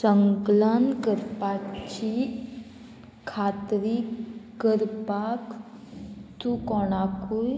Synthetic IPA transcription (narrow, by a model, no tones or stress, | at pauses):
səŋklənkəɾpat͡ʃi | kʰaːt̪ɾikəɾpak | t̪ukɔːnaːkuj